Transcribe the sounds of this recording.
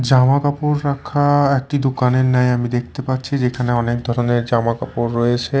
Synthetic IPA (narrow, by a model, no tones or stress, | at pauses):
d͡ʑamakapoɾːakʰaek̚ʈid̪okaneɾnɛjamid̪ek̚ʰt̪epaɾːt͡ɕʰid͡ʑekʰaneɔnek̚d̪ʱɔɾoneɾd͡ʑamakapoɾːɔjet͡ɕʰe